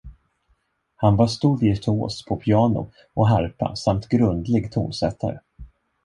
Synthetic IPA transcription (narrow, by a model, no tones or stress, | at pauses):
hanvɑʂt̪uɾɪt̪ʰo̰ːspʰɔpʰɪɑːnʊ̰ | ʔɔɦaɾpa̰samt̪ɡɾɵnd̪lɪɡt̪ʰṵːnsɛt̪ʰːa̰ɾə̰